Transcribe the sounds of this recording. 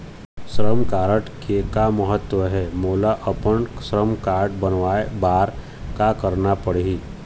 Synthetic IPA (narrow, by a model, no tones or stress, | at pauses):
sɾəmkaːɾəʈkekaməɦət̪ːwəɦɛmoːlaʔəpəɳsɾəmkaːɾɖbənʋaːebaːɾ | kakəɾnapəɽiː